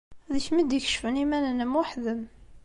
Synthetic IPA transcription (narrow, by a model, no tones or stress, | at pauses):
ðəçmid̪əçə̥ʃfənimænənəmʊħðəm